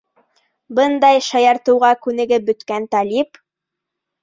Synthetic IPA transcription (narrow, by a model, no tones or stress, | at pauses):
bɤnd̪ɑjʃɑjɑɾt̪ɤ̆wʁɑkʉnɘ̆ɡɘbɵ̆t̪kænt̪ɑlip